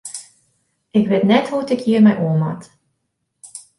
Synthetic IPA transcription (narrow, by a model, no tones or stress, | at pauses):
ɪkʋetnɛtɦutɪkjiːrmɛjʔuəma̰t